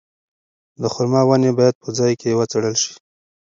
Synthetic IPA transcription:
d̪əxʊɾmɑwanebɑjad̪̚pəd͡zɑjkewət͡seɽəlʃi̥

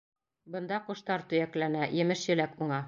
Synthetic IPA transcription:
bɤ̆nd̪ɑqŏʃt̪ɑɾt̪ɵ̆jæklænæjɘ̆mɘʃjɘ̆lækuɴɑ

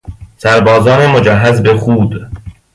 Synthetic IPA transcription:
sæɾbɒːzɒːnemod͡ʒæɦːæzbeχuːd̪

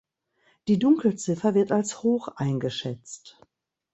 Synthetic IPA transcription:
d̥iːdʊŋkl̩t͡sɪfɐvɪɐtalshoːxʔaɪnɡəʃɛt͡st

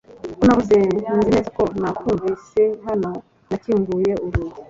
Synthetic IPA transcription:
kunaβuzenzineːzakonakuːɱviːseɦano̞ | naciːŋɡuje̞uɾui

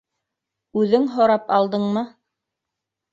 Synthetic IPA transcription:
ʉðɘŋɦŏɾɑpɑlˠd̪ɤɴmɤ

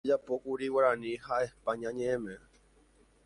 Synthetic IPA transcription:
d͡ʒapokuɾiwaɾãnĩhaepãɲãɲẽẽmẽ

